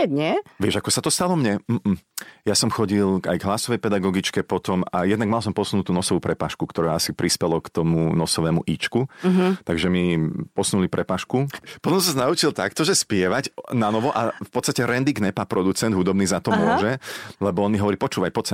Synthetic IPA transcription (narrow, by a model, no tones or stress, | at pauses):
ɛɲɛʋɪɛʒakɔsat̪ɔst̪alɔmɲɛm̩jasɔmxɔɟilˠa̰jɡɦlasɔʋɛjpɛd̪aɡɔɡit͡ʃkɛpɔt̪ɔma̰jɛd̪naɡmalˠsɔmpɔsunut̪uːnɔsɔʋuːpɾɛpaːʃkukt̪ɔɾaasipɾispɛlɔkt̪ɔmunɔsɔʋɛːmṵʔiːt͡ʃkuɦt̪aɡʒɛmipɔsnulipɾʔɛpaːʃkupɔt̪ɔ̃msɔznaut͡ʃilˠt̪akt̪ɔʒɛspɪɛʋaɟnanɔʋɔʔafpɔt̪t͡sst̪acɛɾɛnd̪iɡnɛpapɾɔd̪ut͡sɛnd̪ɦud̪ɔbniːzat̪ɔmʊɔʒɛlɛbɔɔnmiɦɔʋɔɾiːpɔt͡ʃuːʋajpɔt͡sɛ